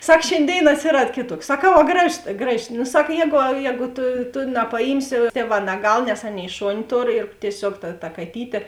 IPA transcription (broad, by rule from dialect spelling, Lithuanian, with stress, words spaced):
ˈsɐk ʃʲeːnʲˈdʲeːɪn ɐtʲsʲɪˈrɐt ˈkʲeːˌtuɔks sɐˈkɐʊ ɐ ˈɡrɑːˌʒoːs ˈɡrɑːˌʒʲɪ nʊ ˈsɐk ˈjɛːɡʊ ˈjɛːɡʊ ˈtʊ tʊ nɐpɐˈjiːmʲsʲɪ ˈtʲiɛˌʋɑː nɐˈɡɐlˠ nʲɛs ˈɑːˌnʲeːɪ ˈʃoːnʲɪ ˈtoːr ɪr tʲiɛˈsʲoːk tɐ tɐ kɐˈtʲiːtʲeː